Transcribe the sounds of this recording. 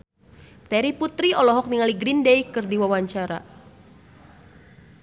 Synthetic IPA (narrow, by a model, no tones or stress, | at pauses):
t̪ɛɾiput̪ɾiɔlɔɦɔk̚niŋaliɡɾindejkɨrdiwawaɲt͡ʃaɾa̰